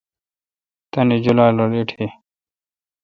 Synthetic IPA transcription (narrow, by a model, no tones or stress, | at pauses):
t̪ɐnid͡ʑulaːloliʈʰe